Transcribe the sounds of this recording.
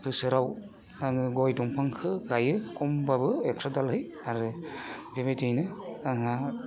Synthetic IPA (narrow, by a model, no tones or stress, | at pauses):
kʰɯsɯɾaw | taŋɯɡɔjdɔŋpʰaŋkʰɯɡajɯkɔmbabɯeksadalhɯj | aɾɯbebajtɯjnɯaŋa